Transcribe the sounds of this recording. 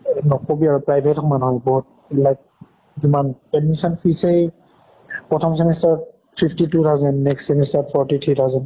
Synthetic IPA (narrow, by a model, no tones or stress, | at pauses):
nɔkobiaɹupɹajbʱetɔmanɦɔjbɔɦt̚ | ɛlajk̚ | zimanpɛdmisɔnpʰisej | pɹɔtʰɔmsɛmɛstaɹ | pʰiptitut̪ʰawzɛndnɛkstsɛmɛstapʰɔɹtit̪ʰɹit̪ʰawzɛnd